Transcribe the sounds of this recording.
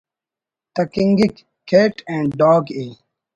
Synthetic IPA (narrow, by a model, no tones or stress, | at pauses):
t̪ɐkĩŋɡikːʰ | eːʈẽːɳɖɖɔːɡeː